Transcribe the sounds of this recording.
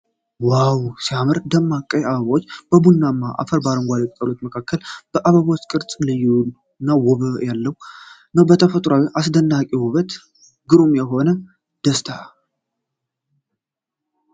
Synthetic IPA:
wawsiamɨɾd̪əmːakʼːəjaβəβawot͡ʃːb̥əbunːamːaʔa̰fəɾbaɾəŋɡʷalɛt̪ʼk̪ʼəlot̪məkʰakːəlb̥əʔaβəβawot͡ʃːkʼɨɾt͡sʼlɨju | nːawɔβəjalːəwunːəwbət̪ʰəfət̪ʼɾawiʔasd̪ənːakʼiwuβət̪ | ɡɨɾumjɛɦo̞nə | d̪̥əst̪ʰa

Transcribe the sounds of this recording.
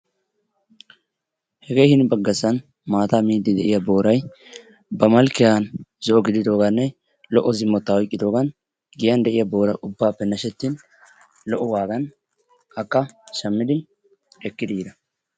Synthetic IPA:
hɛɡejhɪnbɐɡːɐsːɐn | maːt̪aːmiːd̪ːɪd̪ɛʔɪjabo̞ːɾɐj | bɐmɐlkːɪjanzɔʔɔɡɪd̪ɪd̪o̞ːɡɐnːɛ | lɔʔːɔzɪmːɔt̪ːaɔjkʼːɪd̪o̞ːɡɐn | ɡɪjɐnd̪ɛʔɪjabo̞ːɾɐʔʊbːaːpːɛnɐʃɛt̪ːɪn | lɔʔːɔwaːɡɐn | ɐkːɐʃɐmːɪd̪ɪ | ɛkːɪd̪iːd̪ɐ

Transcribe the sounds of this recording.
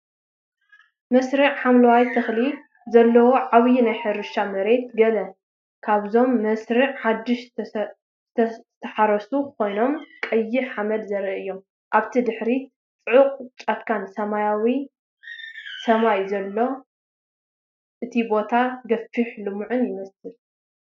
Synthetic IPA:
mɐsɾɨʕħamlɐwajt̪ʰɨxli | zɐlːɐwoʕaβjinajħɨɾɨʃamɐɾe̞t̪ɡɐlɐ | kʰaβzo̞mːɐsɾɨʕħad̪ːɨʃ | ɨt̪ʰt̪ʰːɐħaɾɐsukʰo̞jno̞mkʼɐjːɪħamɐd̪zɐɾiɨjːo̞m | ʔaβt̪ʰid̪ɨħɾi | t͡sʼɨʕuqʼt͡ʃʼat̪kʰansɐmajawi | sɐmajzɐlːo̞ | ʔɨt̪ʰibo̞t̪ʰaɡɐfɨħlɨmuʕʊnjɪmɐsɨl

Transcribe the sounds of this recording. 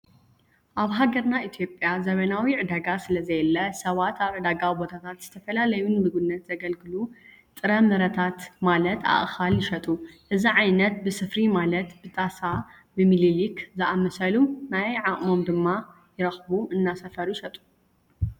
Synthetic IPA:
ʔaβɦaɡɐɾnait̪ʰijo̞pʼːjazɐβɐnawiʕɨd̪aɡasɨlɐzɐjɛlːɐsɐβat̪ʰaβʕɨd̪aɡawibo̞t̪ʰat̪ʰat̪z̥ɨt̪ʰɐfɐlalɐjunmɨɡunːɐt̪z̥ɐɡɐlɡɨlu | t̪ʼɨɾɐmɨɾɐt̪ʰat̪malɐt̪a̰ʔʼxaljɪʃɐt̪ʼuʔɨziʕajnɐt̪̚bɨsɨfɾimalɐt̪bɨt̪ʼasa | bɨmililikzɨʔamɐsɐlumnajʕaχʼmo̞md̪ɨmːa | jɪɾɐxbuɨnːasɐfɐɾujɪʃɐt̪ʼu̥

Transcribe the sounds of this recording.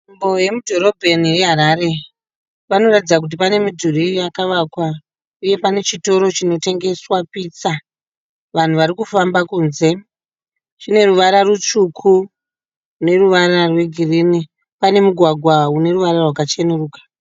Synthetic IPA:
mbo̞je̞mudʱo̞ɾo̞bʱe̞nije̞ɦaɾaɾe̞ | ʋano̞ratid͡zak̬ut̬ipane̞midʱurijakaʋakwa | uje̞pane̞t͡ʃito̞ɾo̞t͡ʃino̞te̞ŋɡe̞swapit͡sa | ʋan̤uʋaɾikufambakuːnze̞ | t͡ʃine̞ruʋaɾarut͡ʃukʰu | ne̞ruʋaɾarwe̞ɡʱirini | pane̞muɡʱwaɡʱwaune̞ruʋaɾarwakat͡ʃenuruːkḁ

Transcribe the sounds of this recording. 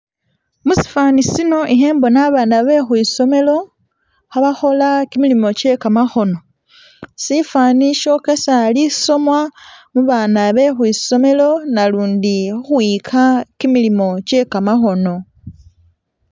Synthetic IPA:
musi̥faːnisino̞ʔiɦe̞ːmbo̞naβaːnaβe̞xwiːso̞me̞lo̞ | xaβaxo̞lakimilimo̞ce̞kamaxo̞no̞ | sifaːniʃo̞kesali̥so̞mwamuβaːnaβe̞xwiːso̞me̞lo̞naluːndiuxwiːkʰakimilimo̞ce̞kamaxo̞no̞

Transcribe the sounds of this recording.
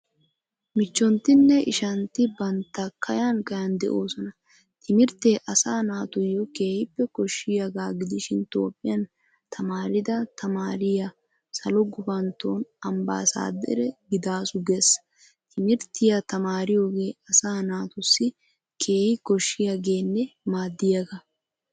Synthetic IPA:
mɪt͡ʃːɔnt̪ːɪnːɛɪʃɐnt̪ɪbɐnt̪ːɐkʰɐjankɐjɐnd̪ɛ̰ʔo̞ːsɔnɐ | t̪ʰɪmɪɾt̪e̞ːʔɐsaːnaːt̪ʊjːɔke̞ːhɪpːɛkɔʃːɪjaɡaːɡɪd̪ɪʃɪnt̪o̞ːpʼːɪjɐn | t̪ʰɐmaːɾɪd̪ɐt̪ʰɐmaːɾɪjɐ | sɐlɔɡʊbɐnt̪oːnɐmba̰ːsa̰ːd̪ɛ̰ɾɛɡɪd̪aːsʊɡesɐ | t̪ʰɪmɪɾt̪ɪjat̪ɐmaːɾɪjo̞ːɡe̞ːɐsaːnaːt̪ʊsːɪ | kʰe̞ːhɪkɔʃːɪjaɡe̞ːnːɛmaːd̪ːɪjɐɡɐ

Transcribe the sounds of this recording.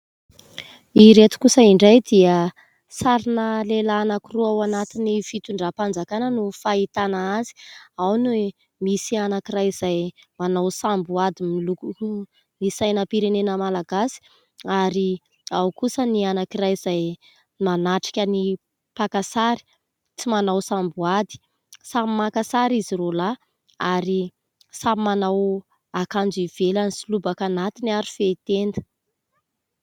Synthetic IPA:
iɾet̪u̥kusəiɳɖ͡ʐajd̪iə | saɾinəlelanakiruawanat̪inifit̪uɳɖ͡ʐapand͡zakanənufait̪anaazi̥awnue | misianakirajz̥aj | manawsambuad̪imilukuu | nisajnəpiɾenenəmalaɡasi̥ | aɾi | awkusənianakirajiz̥aj | nanaʈ͡ʂi̥kʲəni | pakasaɾi̥ | t͡simanawsambuad̪i̥ | sammakasaɾizirola | aɾi | samimanaw | akand͡ʒiv̥elanisulubakanat̪iniaɾifeit̪end̪ə̥

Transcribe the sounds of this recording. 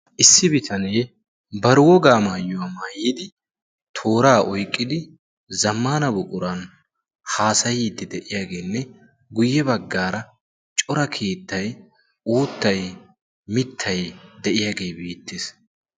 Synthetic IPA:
ʔɪsːɪbɪt̪ʰɐneː | bɐɾwɔɡaːmaːjːʊwaːmaːjɪd̪ɪ | t̪ʰo̞ːɾaːʔɔjkʼːɪd̪ɪ | zɐmːaːnɐbʊkʼʊɾɐn | haːsɐjiːd̪ːɛd̪ɛʔɪjaːɡe̞ːnːɛ | ɡʊjːɛbɐɡːaːɾɐ | t͡ʃʼɔɾɐkʰeːt̪ːɐj | uːt̪ːɐj | mɪt̪ʰːɐjd̪ɛʔɪjaːɡe̞ːbeːt̪ːes

